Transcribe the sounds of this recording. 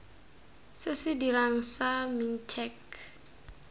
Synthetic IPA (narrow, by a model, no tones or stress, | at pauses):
sɪsɪdiɾaŋ̩samin̩tʰɛk